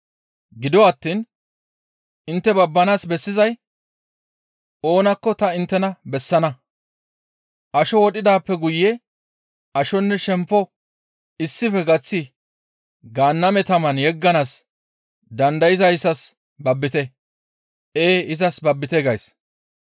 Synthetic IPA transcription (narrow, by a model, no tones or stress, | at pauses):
ɡɪd̪ɔɐt̪ːiːn | ɪnt̪ːɛbɐbːɐnaːsbɛsːɪzɐj | o̞ːnɐkːɔt̪ɐɪnt̪ːɛnɐbɛsːɐnɐ | ʔɐʃɔwɔɗʼɪd̪aːpːɛɡʊjːɛ | ɐʃɔnːɛʃɛmpːɔ | ɪsːɪfɛɡɐt͡sːɪ | ɡaːnːɐmɛt̪ɐmɐnjɛɡːɐnaːs | d̪ɐnd̪ɐjɪzɐjɪsːɐs | bɐbːɪt̪ɛ | ʔeːɪzɐsbɐbːɪt̪eːɡɐjs